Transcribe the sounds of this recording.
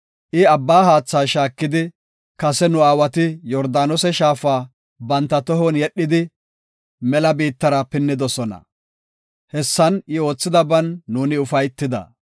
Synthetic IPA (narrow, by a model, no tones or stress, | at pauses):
ʔɪɐbːaːɦaːt͡sːaːʃaːkːɪd̪ɪ | kɐsɛnʊaːwɐt̪ɪjɔɾd̪aːnɔsɛʃaːfaː | bɐnt̪ːɐt̪ɔɦɔnjɛɗːɪd̪ɪ | mɛlɐbiːt̪ːɐɾɐpɪnːɪd̪ɔsɔnɐ̰ | hɛsːɐnɪo̞ːt͡sːɪd̪ɐbɐnːuːnɪʊfɐjt̪ːɪd̪ɐ̰